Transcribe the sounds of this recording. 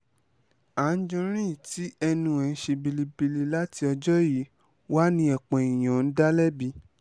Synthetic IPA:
a˨˦n̩˦d͡ʒɔ̃˧ɾ̃ĩ˦˨ti˨˦ɛ˧nũ˧˦ɛ̃˨˧n̩˦ʃe˧bi˧li˧bi˧li˧la˦ti˧˦ɔ˧d͡ʒɔ˦ji˨˦ | wa˦nĩ˧˦ɛ˨k͡pɛ̃˨ĩ˨j̃ã˨n̩˦da˦lɛ˦bi˧

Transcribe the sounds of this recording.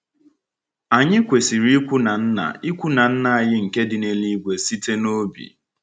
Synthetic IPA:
a˨ɲɪ˦kʷe˨si˨ɾi˦i˦kʷu˦na˨n̩˦na̰˨i˦kʷu˦na˨n̩˦na˨a˨jɪ˦ŋ̩˨ke˦dɪ˨ne˨li˦ɡʷe˨si˦te˦no˦bḭ˨

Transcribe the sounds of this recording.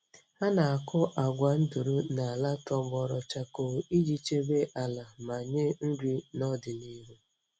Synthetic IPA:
ha˦na˨a˨kʊ˦ʔa˨ɡʷa˨n̩˦du˨ɾu˦na˨a˨la˦tɔ˦bɔ˦ɾɔ˨t͡ʃa˦ko˨i˦d͡ʒi˦t͡ʃe˦be˦ʔa˨la˨ma˨ɲɪ˦n̩˦dʷi˦nɔ˦dɪ˨ni˦ɾu˦

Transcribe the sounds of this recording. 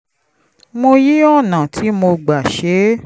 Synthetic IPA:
mo˧ji˦ɔ˦˨nã˨tʰi˨˦mo˧ɡ͡ba˨ʃe˨˦

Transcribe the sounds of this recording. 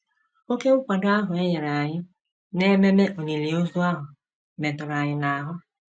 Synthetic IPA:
o˦ke˦ʊ˦kʷa˨dʊ˦a˦ɦʊ˨e˦ɲe˨ɾa˨a˨ɲɪ˦ | ne˦me˦me˦ʔo˨ni˨li˨o˦zu˦a˦ɦʊ˨ | me˨tʊ˨ɾa˨ɲɪ˨na˨a˨ɦʊ˦

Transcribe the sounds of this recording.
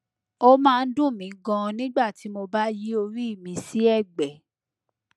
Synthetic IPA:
o˦mãː˦˧n̩˦dũ˦˨mĩ˨˦ɡã˧nĩ˦ɡ͡ba˦˨ti˨˦mo˧ba˦ji˦o˧ɾi˦i˦˨mĩ˧si˦ɛ˦˨ɡ͡bɛ˨

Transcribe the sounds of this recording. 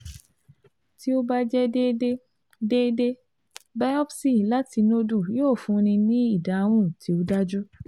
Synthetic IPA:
ti˦o˦ba˦d͡ʒɛ˦e˦ | de˦de˦ | bɛ˦ɔ˦psi˦˨la˦ti˧no˦du˦˨joː˦˨fũ˨˧nĩ˧nĩ˦i˦˨da˨˧w̃ũ˦ti˨˦o˦da˦d͡ʒu˦

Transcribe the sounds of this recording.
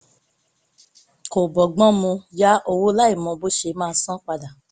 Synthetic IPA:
ko˨bɔ˨ɡ͡bɔ̃˦mũ˧ja˦ʔo˧wo˦la˦i˦˨mɔ̃˧bo˦ʃe˧mãː˦˧sɔ̃˦k͡pa˧da˨

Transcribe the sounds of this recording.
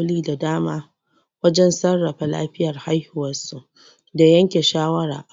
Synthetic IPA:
liː˦da˨daː˦maː˦ | wɐ˦d͡ʒɛ˦nsɐ˦rːɐ˨ɸa˨la̰ː˦ɸɪ˦jɐ˨rha˦jhʊ˨wɐ˨su˨ʔ | da˨jɐ˦ŋkʲe˨ʃaː˦wɐ˦ɾa̰ː˨ʔ

